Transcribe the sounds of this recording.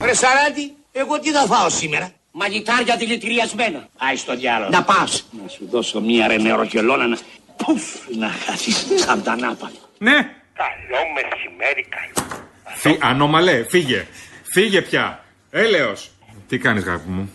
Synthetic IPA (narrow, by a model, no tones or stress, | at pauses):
vɾesɐɾɐt̪i | eɣot̪iθɐθɐosimeɾɐ | mɐʎit̪ɐɾcɐðilit̪iɾiɐzme̞nɐɐjst̪oðjɐlonɐpɐsnɐsuðo̞somɲiɐɾeneɾo̰celonɐnɐ | pofnɐxɐsisɐmt̪ɐnɐpɐno̥ne | kaʎomesimeɾikaʎo | fiɐnomɐlefiʝefiʝepçɐ | eleos | t̪ikɐnizɣɐ̰pimu